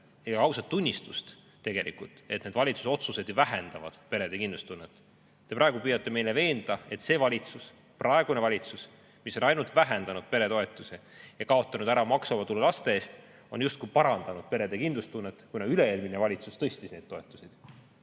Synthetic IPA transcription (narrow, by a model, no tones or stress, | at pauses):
ejɑkɑwsɑt̪ːunʲːist̪ust̪ | t̪ːe̞ɡe̞lḭkˑult̪ˑe̞t̪ne̞d̪vɑlʲit̪su̥so̞t̪suse̞d̪jvæɦend̪̥ɑvɑ̰d̪̥pe̞ɾe̞d̪ekind̪lust̪unːet̪ː | t̪ːe̞pɾɑeɡ̥upyjɑt̪ːˑe̞me̞jle̞ve̞ːnd̪̥ɑe̞t̪se̞vɑlʲit̪sus | prʔɑeɡ̥unevɑlʲit̪sus | miso̞nɑjnult̪væɦe̞nd̪̥ɑnud̪̥pe̞ɾe̞t̪o̞e̞t̪ːˑusejɑkɑo̞t̪ːˑɑnud̪̥æɾɑmɑksomɑt̪ulːelɑst̪e̞e̞ːst̪ | o̞njust̪kujpɑɾɑnd̪̥ɑnud̪̥̚pe̞ɾe̞d̪ekind̪lust̪unːet̪kunɑyle̞eːlminevɑlʲit̪sust̪ɤsʲt̪isne̞d̪̥̚to̞e̞t̪ːˑusid̪̥